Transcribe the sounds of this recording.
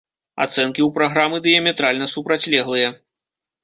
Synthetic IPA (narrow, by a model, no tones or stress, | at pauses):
a̰t̪sɛnkʲiwpɾaɣɾamɨd̪ɨjɐmʲɛt̪ɾalʲnɐsupɾat͡sʲlʲɛɣlˠɨjɐ